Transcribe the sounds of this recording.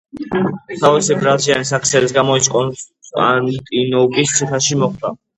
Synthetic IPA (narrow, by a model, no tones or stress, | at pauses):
t̪ʰavisibɾalsʰianisakʰsɛlisɡamɔit̪sʼqʼɔnʼ | a̰nt̪ʼinɔbist̪sʰiχaʃimɔχd̪a